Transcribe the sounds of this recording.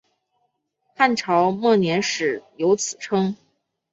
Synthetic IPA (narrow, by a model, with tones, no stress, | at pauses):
xa˥˩nʈ͡ʂʰɑ˧˥ʊmɔ˥˩njɛ˧˥nʂɻ̩˨˩jo˧˥ʊt͡sʰɹ̩˨˩ʈ͡ʂʰɤ˥ŋ